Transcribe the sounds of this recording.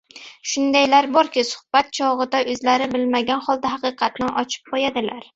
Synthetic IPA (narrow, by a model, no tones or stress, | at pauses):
ʃʊnd̪ajlaɾbɒɾkʲɪsʊ̥hb̥at̪̚t͡ʃʰɒʁɨd̪aʔɵzlaɾɪbɪlmaɡʲanχɒlˠd̪aɦɑqɨqʰɑt̪nɪnɒt͡ʃʰɪ̥p̚qʰojad̪ɪlaɾ